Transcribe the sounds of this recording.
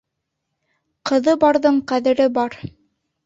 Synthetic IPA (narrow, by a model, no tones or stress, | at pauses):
qɤ̆ðɤbɑɾðɤɴqæðɘ̆ɾɘbɑɾ